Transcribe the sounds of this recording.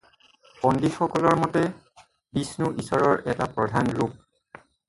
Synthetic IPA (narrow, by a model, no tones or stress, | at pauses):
pɔndixɔkɔlɔɹmɔtɛ | bisnuʔisɔɹɔɹɛta̰pɹɔdʱanɹup̚